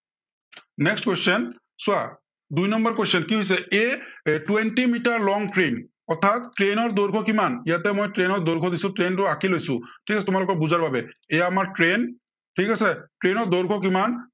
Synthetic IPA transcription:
nɛkstkwestɔn | sʊa | dujnɔmbaɹkwesɔnkiɦojs̬ɛetuwentimitaɹlɔŋtɹen | ɔt̪ʰat̪ːɹenɔɹd̪oɹɡʱɔkimanijatɛmojtɹenɔɹd̪oɹɡʱɔdisʊ̃tɹentʊakilojsʊ̰̃ʈʰikasɛtʊmalʊkɔɹbuzaɹbabɛejaamaɹʈɹen | ʈʰikasɛʈɹenɔɹd̪ɔɹɡʱɔkiman

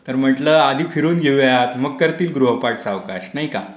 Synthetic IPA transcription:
t̪əɾm̤əʈləːad̪ʱiːfʰiɾuːnɡʱeʋat̪məɡ̚kəɾt̪iːlɡɾuɦəpaʈt͡saʋkaɕnaɦika

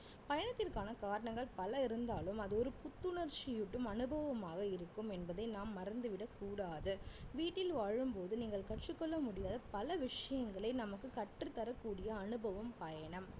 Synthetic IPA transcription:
pɐjɐɳɐt̪ːɪrkaːnɐkaːɾɐɳɐŋɡɐɭpɐlɐɪɾɯnd̪aːlɯmɐðɯɔɾɯpʊt̪ːɯɳɐɾt͡ʃɪjɪʈːɯmɐnɯbɐʋɐmaːɣɐɪɾɯkːɯmɛnbɐðɐɪnaːmːɐɾɐnd̪ɯʋɪɽɐkːuːɽaːðɯʋiːʈːɪlʋaːɻɯmpoːðɯniːŋɡɐɭkɐʈt͡ʃɯkːɔɭːɐmʊɽɪjaːðɐpɐlɐʋɪʂɐjɐŋɡɐɭɐɪnɐmɐkːɯkɐʈrɯt̪ːɐɾɐkːuːɽɪjɐːnɯbɐʋɐmpɐjɐɳɐm

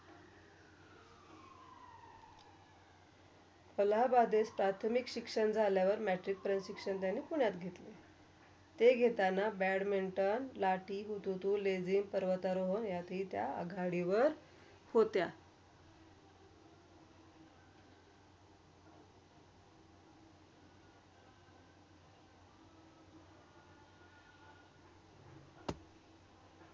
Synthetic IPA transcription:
pəlabad̪espɾat̪ʰmikɕikʂənd͡zʱaljaʋəɾmæʈɾik̚pɾensɕikʂənt̪janːiːpuɳjat̪ɡʱet̪le | t̪eɡʱet̪anabæɽmeɳʈənlaʈiːɦut̪ut̪uːled͡zimpəɾʋət̪aɾoɦonjat̪ʰiːt̪ja̰ə̰ɡʱaɽiʋəɾ | hot̪ja

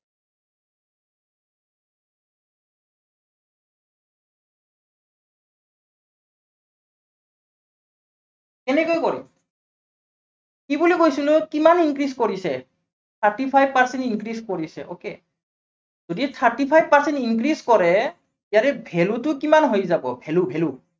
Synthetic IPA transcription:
kɛnɛkojkɔɹḭ | kibulikojsilʊkimaninkɹiskɔɹisɛ | tʰaɹtipʰajb̚paɹsɛntinkɹiskɔɹisɛ̰ʔokɛ̰ | zoditʰaɹtipʰajb̚paɹsɛntinkɹiskɔɹɛ | jatɛbʱɛlutʊkimanɦojzabɔ̰bʱɛlubʱɛlu

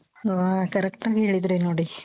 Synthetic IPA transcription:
ʋakɐɾɛk̚ʈaːɡiɦeːɭid̪ɾenoːɽi

